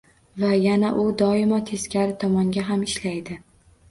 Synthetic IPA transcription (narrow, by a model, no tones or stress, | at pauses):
vajanaʔʊd̪ɒɪmɒt̪ʰe̞skʲʰaɾɪt̪ʰɒmɒŋɡʲaɦamɪʃlajd̪ɪ